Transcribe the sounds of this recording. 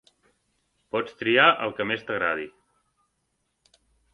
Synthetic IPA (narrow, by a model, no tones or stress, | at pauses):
pɔt͡st̪ɾiaʔəlˠkəmest̪əɣ̞ɾaði